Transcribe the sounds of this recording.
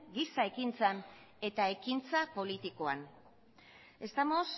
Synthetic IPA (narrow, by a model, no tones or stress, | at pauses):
ɡisae̞kint͡san | e̞t̪ae̞kint͡sapo̞lit̪iko̞a̰n | e̞st̪amo̞s